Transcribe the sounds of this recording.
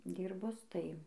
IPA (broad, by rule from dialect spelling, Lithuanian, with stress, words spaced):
ˈdʲiːrbʊs tɐɪ